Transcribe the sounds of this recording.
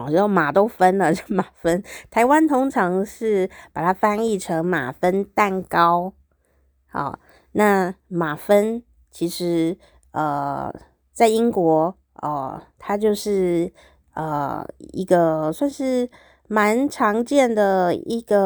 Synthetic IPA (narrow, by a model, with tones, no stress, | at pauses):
o˥˩ma˨˩t̪o˥ʊfə˥nlə˨t͡ɕo˥˧˩ma˨˩fə˥nt̪ʰa˧˥ɪwa˥nt̪ʰʊ˥ŋʈ͡ʂʰɑ˧˥ŋʂɻ̩˥˩pa˨˩t̪ʰa˥fa˥ni˥˩ʈ͡ʂʰɤ˧˥ŋma̰˨˩fə˥nt̪a˥˩nkɑ˥ʊ | ɔ̰˨˩ | na˥˩ma˨˩fə˥n | t͡ɕʰi˧˥ʂɻ̩˧˥ | ə˩ | t͡sa˥˩ɪi˥ŋkwɔ˧˥ | ə̰˧˩t̪ʰa˥t͡ɕjo˥˧ʊʂɻ̩˥˩ | ə̰˧˩ḭ˧˥ɡə˧swa˥˧nʂɻ̩˥˩ | ma˧˥nʈ͡ʂʰɑ˧˥ŋt͡ɕjɛ˥˩nd̪ə˩i˧˥ɡ̥ə˧